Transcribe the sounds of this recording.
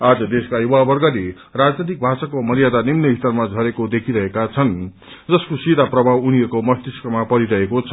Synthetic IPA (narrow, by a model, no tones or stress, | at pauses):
ad͡zʌd̪eskajuwabʌrɡʌle | rad͡znit̪ik̚bʱasakomʌɾijad̪animnʌbʱit̪ʌrmad͡zʱʌɾekod̪ekʰiɾʌɦekat͡sʰʌn | d͡zʌskosid̪aprʌbʱawunijʌkomʌst̪iskʌmapʌɾiɾʌɦekot͡sʰʌ